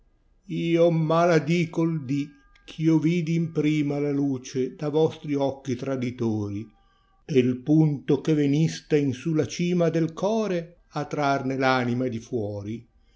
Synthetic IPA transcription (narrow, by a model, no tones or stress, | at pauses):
iːomalad̪iːkold̪i | kʰioviːd̪iːmpɾiːmalaluːt͡ʃed̪avɔst̪ɾiɔkːit̪ɾad̪it̪oːɾi | elpunt̪okevenist̪ainsulat͡ʃiːmad̪elkʰɔːɾe | at̪ːɾarnelaːnimad̪ifwɔːɾi